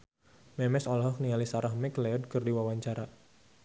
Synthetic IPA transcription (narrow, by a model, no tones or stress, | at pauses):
mɛmɛsɔlɦɔknialisaɾahmɛkleɔd̚kɨrdiwawaɲt͡ʃaɾa